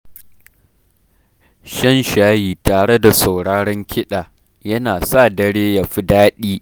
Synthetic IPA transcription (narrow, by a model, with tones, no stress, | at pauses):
ʃɐ˦nʃaː˦jiː˨taː˨ɽe˦da˨sa˨wɽaː˦ɽɐ˦ŋkʲʰɪ˦ɗaː˨ | jɐ˦naː˨sa˦˨dɐ˦ɽeː˦ja˨ɸɪ˦daː˦ɗiː˦